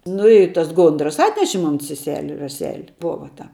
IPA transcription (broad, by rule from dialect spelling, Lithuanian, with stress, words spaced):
ˈnʊ ɪ tɐs ˈɡoːndrɐs ˈɑːtʲnʲɛʃʲɪ ˈmoːn sʲɛˈsʲæːlʲɪ rɐˈsʲæːlʲɪ ˈboːʋɐ tɐ